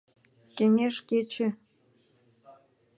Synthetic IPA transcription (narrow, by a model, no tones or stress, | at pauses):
keŋʲeʃket͡ɕĕ